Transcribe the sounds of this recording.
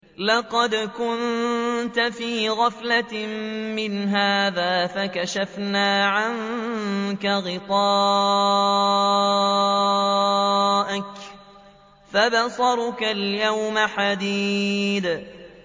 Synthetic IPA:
lɑqɑd̪kʊnt̪afiːɣaflammɪnɦaːðaːfakaʃafnaːʕaŋ | kaɣɪt̪ˤɑː | ʔak | fabasˤɑɾˤkaljawmaħad̪iːd̪

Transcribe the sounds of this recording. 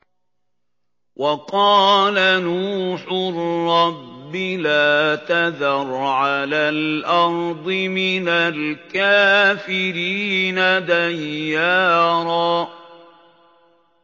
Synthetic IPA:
wʔɑqɑːlanuːħʊrɑbːɪlaːt̪aðɑɾˤʕalaːlʔɑɾˤd̪ˤɪmɪnalkaːfɪɾiːnad̪ajːaːɾˤɑː

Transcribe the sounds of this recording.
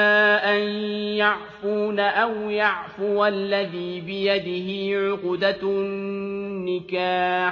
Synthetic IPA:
aːʔanjaʕfuːnaʔawjaʕfʊwalːaðiːbɪjad̪ɪɦɪʕʊqd̪a | ɪkaː

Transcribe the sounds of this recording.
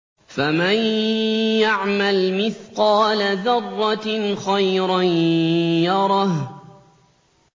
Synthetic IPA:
faman | jaʕmalmɪθqɑːlaðɑrˤːɑxajɾanjɑɾˤɑh

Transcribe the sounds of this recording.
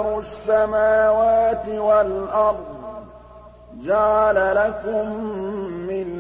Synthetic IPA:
ɾʊasːamaːwaːt̪ɪwalʔɑɾˤd̪ˤ | d͡ʒaʕalalakʊmː | ɪn

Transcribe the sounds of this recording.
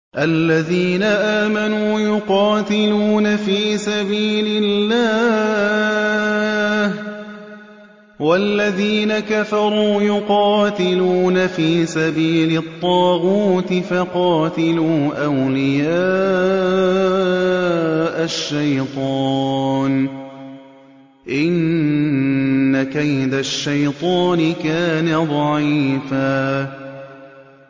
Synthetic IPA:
ʔalːaðiːnaʔaːmanuːjʊqɑːt̪ɪluːnafiːsabiːlɪlːaː | h | walːaðiːnakafɑɾˤuːjʊqɑːt̪ɪluːnafiːsabiːlɪt̪ˤːɑːɣuːt̪ɪfɑqɑːt̪ɪluːʔawlɪjaː | ʔaʃːajt̪ˤɑːn | ʔɪn | akajd̪aʃːajt̪ˤɑːnɪkaːnad̪ˤɑʕiːfaː

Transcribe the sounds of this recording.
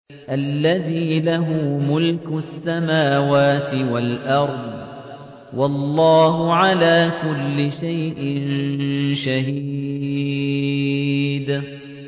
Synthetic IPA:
ʔalːaðiːlaɦʊːmʊlkʊsːamaːwaːt̪ɪwalʔɑɾˤd̪ˤ | wɑlˤːɑːɦʊʕalaːkʊlːɪʃajʔɪnʃahiː | d̪

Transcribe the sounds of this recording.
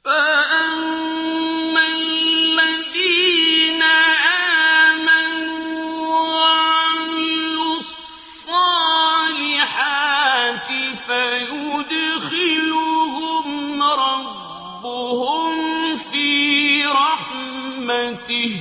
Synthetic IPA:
faʔammː | allmad̪iːnaʔaːman | wʕamɪlʊ | ssssˤːɑːlɪħaːt̪ɪfajʊd̪xɪlʊɦʊmɾˤɑbː | ʊhʊmfiːɾɑħmat̪ɪh

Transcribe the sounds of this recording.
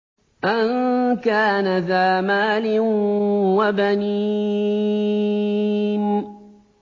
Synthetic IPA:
ʔankaːnaðaːmaːlɪnwabaniː | n

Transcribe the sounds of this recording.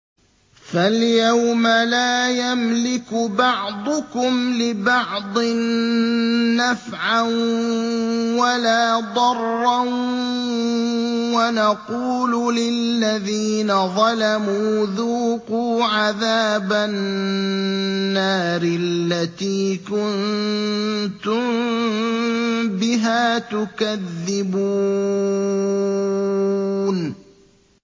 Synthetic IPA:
faljawmalaːjamlɪkʊbɑʕd̪ˤʊkʊmlɪbɑʕd̪ˤɨnː | afʕan | walaːd̪ˤɑrːan | wanɑquːlulɪlːaðiːnaðˤɑlamuːðuːquːʕaðaːba | aːɾɪlːat̪iːkʊnn | t̪ʊm | bɪɦaːt̪ʊkaðːɪbuː | n

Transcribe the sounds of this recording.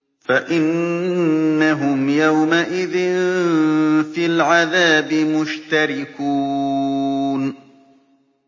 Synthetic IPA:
faʔɪnː | aɦʊmjawmaʔɪðɪn | filʕaðaːbɪmʊʃt̪aɾɪkuː | n

